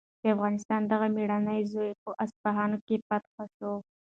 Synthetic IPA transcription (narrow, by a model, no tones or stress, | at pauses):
d̪̥əafɣɑnɪst̪ɑnd̪aɣamiɽanəjzojpəʔasfaɦɑnokepat̪xaʃo